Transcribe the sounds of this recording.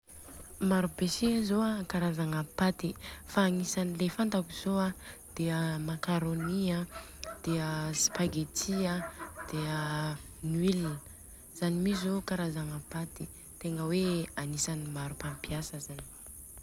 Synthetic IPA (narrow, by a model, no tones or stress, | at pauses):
maɾubesezoakaɾazaŋapat̪ifaːŋisanilefant̪akuz̥oad̪̥eəmakaɾoniad̪̥eəsi̥paɡet̪ʰiad̪̥eənilinə | z̥animizokaɾazaŋapat̪i | t̪eŋɡəweanisanimaɾupampijasəzani̥